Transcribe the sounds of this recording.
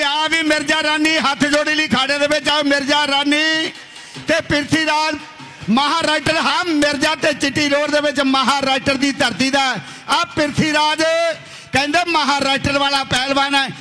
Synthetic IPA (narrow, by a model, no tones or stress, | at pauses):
eaːʋiːmɪɾd͡ʒaːɾaːniːɦət̪ʰd͡ʒoːɽiːliːkʰaːɖeːd̪eːʋɪt͡ʃamɪɾd͡ʒaːɾaːniː | t̪eːpɪɾt̪ʰiːɾaːd͡ʒ | məɦaːɾaːɪʈəɾɦaːmɪɾd͡ʒaːt̪eːt͡ʃɪʈːiːloːɾd̪eːʋɪt͡ʃməɦaːɾaːɪʈəɾd̪iːt̪əɾt̪iːd̪aːɛ | apɪɾt̪ʰiːɾaːd͡ʒ | kɛ̃ːnd̪eːməɦaːɾaːɪʈəɾʋaːlaːpɛːlbaːnɛː